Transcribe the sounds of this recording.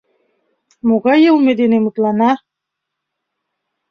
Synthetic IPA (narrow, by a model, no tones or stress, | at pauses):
moɣɑjɤlˠmed̪enemut̪lɑnɑ